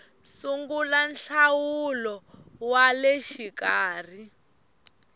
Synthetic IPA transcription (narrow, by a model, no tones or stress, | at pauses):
suŋɡulanɬawulɔ | waleʃikaːr̤i